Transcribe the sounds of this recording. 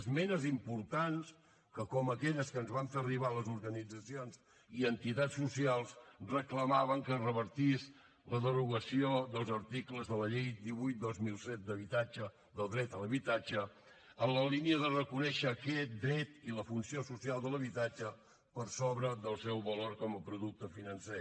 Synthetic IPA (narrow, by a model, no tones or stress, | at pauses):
zmɛnəzimpuɾt̪ans | kəkɔməkɛʎəskənzβaɱferiβ̞aləzuɾɣənid͡zəsionz | iənt̪it̪asːusialˠsrəkləmaβəŋkərəβəɾt̪is | ləðəruɣəsioðəlˠzəɾt̪ikləzðələʎejd̪iβujt̪̚d̪ozmilˠsɛt̪̚d̪əβit̪ad͡ʒə | ðəlˠd̪ɾɛt̪ələβit̪ad͡ʒə | ənləliniəðərəkunɛʃəːkɛt̪̚d̪ɾɛt̪iləfunsiosusialˠd̪ələβit̪ad͡ʒə | pəɾsoβɾəðəlˠsɛwβəloɾkɔməpɾuðuk̚t̪əfinənsɛ